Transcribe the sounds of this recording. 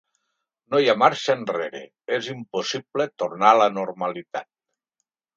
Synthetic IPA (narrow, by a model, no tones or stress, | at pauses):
nojamaɾʃenreɾḛ | ezimposiblet̪oɾnalənoɾmalit̪a̰t̪̚